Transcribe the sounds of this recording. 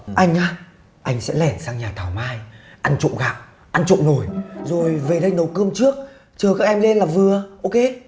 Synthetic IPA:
ʔa˧jŋ̟ʔaː˧ | ʔa˧jŋ̟sɛ̰˧˥lɛ˧˩nsaː˧ŋɲaː˨˩t̪ʰaː˨˩wmaː˧j | ʔa˧nt͡ɕʊ̰˧˨ŋ͡mɣa̰ː˧˨w | ʔa˧nt͡ɕʊ̰˧˨ŋ͡mno˧˩jzo˨˩jve˨˩ɗə˧jnə˨˦wkəː˧əmt͡ɕɨ˦˥ək̚ | t͡ɕəː˨˩kaː˦˥k̚ʔɛ˧mle˧nlaː˨˩vɨ˨˩əʔo˧ke˧

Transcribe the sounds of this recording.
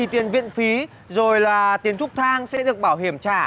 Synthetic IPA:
i˨˩t̪i˨˩ənvḭ˧˨ənfi˨˦ | zo˨˩jlaː˨˩t̪i˨˦ənt̪ʰʊ˦˥k͡p̚t̪ʰaː˧ŋsɛ̰˧˥ɗɨ˨˩ək̚ɓaː˧˩wɦi˧˩əmt͡ɕaː˧˩

